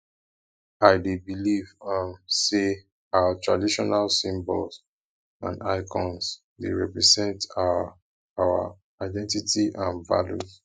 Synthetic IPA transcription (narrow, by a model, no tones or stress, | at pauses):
aɪdebilivãnse | awatʰɹadiʃɔnalsĩmbɔls | ãnaɪkʰɔ̃ns | deɹɛpɹɛzɛ̃nta | awa̰ | aɪdɛ̃ntitiʔãnva̰lṵz